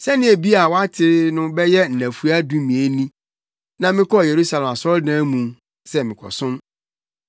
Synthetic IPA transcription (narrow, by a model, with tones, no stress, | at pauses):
sɛ˦nɪ̃˦e˨bi˦a˨wa˦tʰɪ˦ɾɪ˦nʊ̃˦bɛ˦jɛ˦n̩˨næ̃˨fu˦a˦dũ˦mĩ˨e˨nĩ˦ | nã˨mɪ̃˦kʰɔ˦˨je˨ɾu˦sa˨lɛ˨ma˨sɔ˦ldãː˦mũ˨˦ | sɛ˦mɪ̃˨kʰɔ̰˨sʊ̃˦n